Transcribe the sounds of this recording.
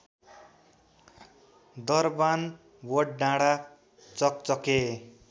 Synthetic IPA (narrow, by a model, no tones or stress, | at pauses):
d̪ʌrban | wʌɖɖaɽa | t͡sʌk̚t͡sʌke